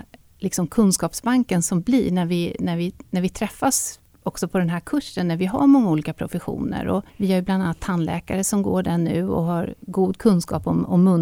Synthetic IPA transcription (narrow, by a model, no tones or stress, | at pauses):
lɪksɔmkʰɵnskɑːpsbaŋkənsɔmbliɳæɾvɪnæɾvɪnæɾvɪt̪ʰɾɛfːas | ɔksɔpʰɔd̪ɛnɦæɾkʰɵʂːənːæɾvɪɦa̰ɾmɔŋːauːliːkapʰɾʊfɛɧṵːnə̰ɾɔ̰vɪæɾjɵbland̪anːat̪ʰhanːlɛ̰ːkaɾəsɔmɡo̰ːɖæɳʉ̟ːɔ̰ɦaɾɡuːd̪kʰɵnskɑ̰ːpɔmɔmːɵn